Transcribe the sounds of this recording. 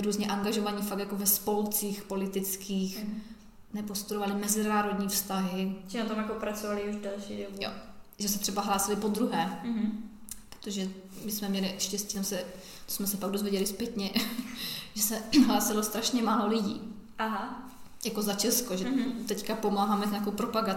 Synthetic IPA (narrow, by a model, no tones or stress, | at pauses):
ɾuːzɲɛʔaŋɡaʒovaɲiːfak̚t̪jakovɛspo̞lt͡siːxpolɪt̪ɪt͡skʰiːx | nɛpost̪uɾovalɪmɛzɪnaːɾo̞dɲiːfst̪aɦɪt͡ʃɪnat̪omjakopɾat͡sovalɪuʒdɛlʃḭdobujo̰ʒɛsɛt̪r̥ɛbaɦlaːsɪlɪpod̪ɾuɦɛː | pɾo̥t̪oʒɛ | mɪsmɛmɲɛlɪʃcɛscit̪amsɛ | t̪o̥smɛsɛpaɡ̚dozvjɛɟɛlɪspjɛt̪ɲɛ | ʒɛsɛɦlaːsɪlost̪ɾaʃɲɛmaːlo̞lɪɟḭː | ʔaɦa | jako̞zat͡ʃɛskoʒɛt̪ɛckapo̞maːɦaːmɛɲaːkowpɾopaɡa